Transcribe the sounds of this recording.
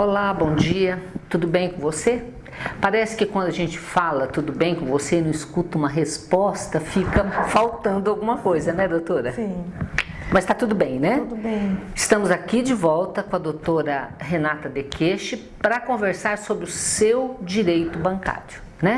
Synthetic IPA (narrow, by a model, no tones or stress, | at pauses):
olabõw̃d͡ʒiɐt̪ud̪ʊbẽj̃kõvose | paɾɛsɪ̥kɪkwɐ̃nd̪ʊaʒẽnt͡ʃɪ̥falɐt̪ud̪ʊbẽj̃kõvosenɐ̃w̃iskut̪ɐũmɐɦespɔst̪ɐfikɐfawt̪ɐ̃nd̪ʊawɡũmɐkojzɐnɛd̪owt̪oɾɐĩ | mɐst̪at̪ud̪ʊbẽj̃nɛd̪bẽɪst̪ɐ̃mʊzakid͡ʒɪvɔwt̪ɐkõɐd̪owt̪oɾɐɦenat̪ɐd̪ekʰeʃɪ | pɾɐkõveɾsaɾsobɾɪʊsewd͡ʒiɾejt̪ʊbɐ̃ŋka̰ɾjʊ | nɛ̃